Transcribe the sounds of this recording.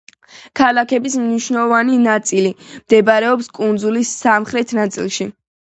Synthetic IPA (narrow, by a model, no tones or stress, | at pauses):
kʰalˠakʰɛbismniʃwnɛlˠɔvaninat̪sʼilimd̪ɛbaɾɛɔpskʼund̪zulisːamχɾɛt̪ʰnat̪sʼḭlˠʃi